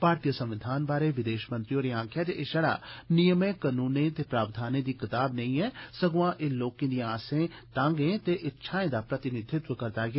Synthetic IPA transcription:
paːɾt̪ijəsə̃mʋɪd̪ʱaːnbaːɾeːʋɪd̪eːʃmə̃nt̪ɾijoːɾeːãːkʰjaːd͡ʒeʔeːʃəɽa̰ːnɪjəmẽːkənuːnẽːt̪eːpɾaːʋd̪ʱaːnẽːd̪iːkɪt̪aːbnɐĩɛːsəɡʋãːʔeːloːkẽːd̪ĩãːsẽː | t̪ãːŋɡẽːt̪eːʔɪtːʃʰaːẽːd̪aːpɾət̪ɪnɪd̪ʱɪt̪ʋəkəɾd̪aːɡ

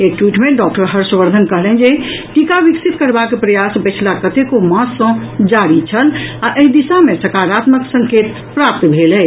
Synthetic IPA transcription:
ek̚ʈwiːʈmẽɖɔk̚ʈəɾɦəɾsʋəɾd̪ʱənkəɦlɛ̃nd͡ʒeʈikaʋiksit̪kəɾbakepɾəjasbət͡ʃʰlakət̪ekomãsːə̃d͡ʒaɾit͡ʃʰəlaʔeɦĩd̪isamẽsəkaːɾat̪məksə̃ŋkeːt̪ | pɾap̚t̪bʱelɛ

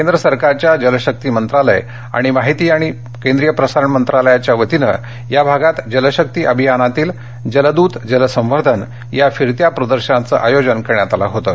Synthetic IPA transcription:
kend̪ɾəsəɾkaɾt͡ɕjad͡ʑələɕək̚t̪iːmənt̪ɾalə̰j | a̰ɽ̃imaɦit̪iːaɽ̃i | kend̪ɾijəpɾəsaɾəɳmənt̪ɾaləjat͡ɕjaʋət̪inə̰ | jabʱaɡat̪d͡ʑələɕək̚t̪iːʔəbʱijanat̪iːl | d͡ʑələd̪uːt̪d͡ʑələsə̃m̃ʋəɾd̪ʱən | jafiɾt̪japɾəd̪əɾɕənat͡sə̰ːʔajod͡ʑənkəɾɳjat̪ala̰ɦot̪əː

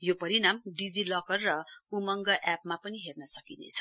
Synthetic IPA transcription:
jopʌɾinamɖid͡zilʌkʌrːʌumʌŋɡʌʔapmapʌniɦernʌsʌkinḛt͡sʰʌ̥

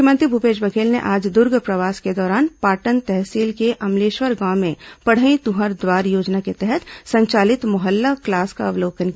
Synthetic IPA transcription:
kjəmə̃nt̪ɾibʱupeːd͡ʒbɐkʰeːlnḛʔaːd͡ʒd̪ʊɾɡpɾɐʋaːsked̪ɔːɾaːnpaːʈənt̪ɛɦsiːlkeʔɐmleːʃʋəɾɡãːmẽpɐɽ̤əĩt̪uɦəɾd̪waːɾjoːd͡ʒnaket̪ɛɦɛt̪sɐ̃ɲt͡ʃaːlɪt̪mʊɦəlːaklaːska̰ɐʋloːkənk

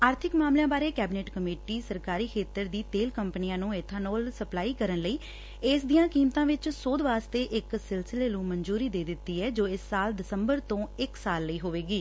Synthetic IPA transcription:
aːɾt̪ʰɪkmaːmljãːbaːɾeːkɛːbɪneːʈkəmeːʈiːsəɾkaːɾiːkʰeːt̪əɾd̪iːt̪eːlkəmpənijãːnũːet̪ʰːãːnoːlsəplaːiːkəɾənləiː | ɪːsd̪ijãːkiːmt̪ãːʋɪt͡ʃsoːd̪ʋaːst̪eːʔɪksɪlsɪleːnũːmənd͡ʒuːɾiːd̪eːd̪ɪt̪ːiːɛːd͡ʒoːɪsːaːld̪ɪsəmbəɾt̪õːɪksaːlːəiːɦoːʋeːɡiː

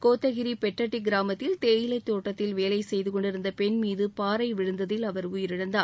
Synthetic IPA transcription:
koːt̪ːɐɣɪɾipɛʈrɐʈːiɡɪɾaːmɐt̪ːɪlt̪eːjɪlɐɪt̪ːoːʈːɐt̪ːɪlʋeːlɐɪsɛjðɯkɔɳɖɪɾɯnd̪ɐpɛɳmiːðɯpaːɾɐɪʋɪɻɯnd̪ɐðɪlɐʋɐɾuːjɪɾɪɽɐnd̪aː

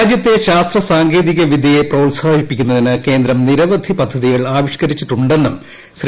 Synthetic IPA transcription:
d͡ʑjɐt̪ːe̞ɕaːst̪rɐsaːŋɡeːðiɣɐʋid̪ʱijeproːlsaːbʱipːikʲːunːɐðinɨke̞ːnd̪ɾɐmniɾɐʋɐd̪ʱipɐd̪ʱːɐðiɣɐɭaːʋiʂkɐɾit͡ɕːiʈːuɳɖe̞nːum | sɾ

